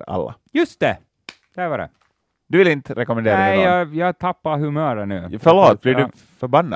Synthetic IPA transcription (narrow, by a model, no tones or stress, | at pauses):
a̰lːa̰jɵst̪ɛ | d̪̥ævaɖɛ̰ | d̪̥ɵvɪlɪnt̪əɾɛkɔmɛnd̪eːɾad̪ɛɑjɑːt̪ʰapːaɦʉmœːɾənʉːfœɭoːt̪̚bliːɖʉ | fœɾbanːa